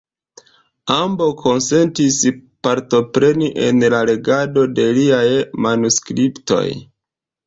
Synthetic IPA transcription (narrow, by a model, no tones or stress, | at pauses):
ambo̞kʰo̞nse̞ntispaɾto̞pɾe̞niʔe̞̰nlale̞ɡado̞de̞liajmanuskɾipto̞̰j